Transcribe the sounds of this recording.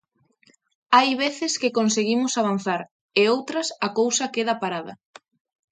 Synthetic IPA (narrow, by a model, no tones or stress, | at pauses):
ajβeθɪskɪkonseɣimʊsaβ̞an̟θaɾ | eowt̪ɾɐsɐkowsɐkeðɐpaɾaðɐ̰